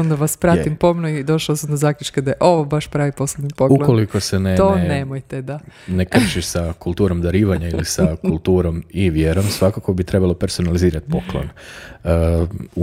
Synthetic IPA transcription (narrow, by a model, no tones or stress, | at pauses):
ond̪aʋaspɾat̪impo̞mnuid̪o̞ʃaosamd̪ozakʎut͡ʃked̪aeʔo̞ʋobaʃpɾaːʋipo̞slebnipokulokolikoseneonnemojt̪ed̪anekr̩ʃiʃsakulˠt̪uːɾo̞md̪aɾiːʋaɲailisakulˠt̪uːɾo̞miʋjeːɾomsʋakako̞bit̪ɾe̞balˠo̞peɾso̞naliziːɾat̪poklˠo̰n | u